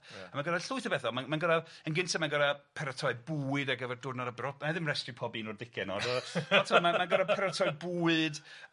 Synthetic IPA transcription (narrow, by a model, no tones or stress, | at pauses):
amanɡəɾaɬʊɨθəbɛθɔmamanɡəɾaənɡɪntʰamanɡəɾapʰɛɾatʰɔɨbuɨdaɡəvɛrdʊdnaɾabrɔpnaðɪmrɛstripʰɔbinɔrdɪkʰɪɛnɔ̰dɔɔtʰɔmamanɡəɾapʰɛɾatʰɔɨbuɨd